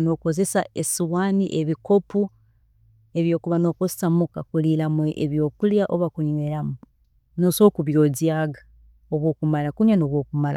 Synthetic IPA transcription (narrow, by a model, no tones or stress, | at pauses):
no̞ːko̞ze̞saesiwaniʔeβiko̞pu | e̞βjo̞ːkuβano̞ːkozesamukakulilamweʔeβjo̞ːkuljaʔoβakuɲwelamu | noso̞ːkuβjo̞ziaɡa | oβwo̞ːkumalakuɲwanoːβwo̞ːkumala̰